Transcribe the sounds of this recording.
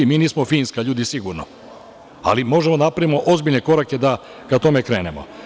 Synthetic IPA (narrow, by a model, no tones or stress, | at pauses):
imiːniːsmofiːnskaʎuːd̪isiɡuɾno̰ | a̰limo̞ʒemod̪anapɾavimo̞ʔo̞zbiʎneko̞ɾake̞d̪a | kat̪o̞mekɾeːnemo̰